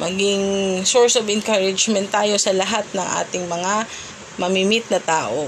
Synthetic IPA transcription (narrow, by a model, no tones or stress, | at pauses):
mʔɐɡɪŋsoɹsovɛnkaɹɪd͡ʒmɛnt̪ːaːjo̞sɐlɐɦat̪̚nɐŋʔa̰ːt̪ɪŋmɐŋa | mɐmimɪt̪̚nɐt̪aːʔo̞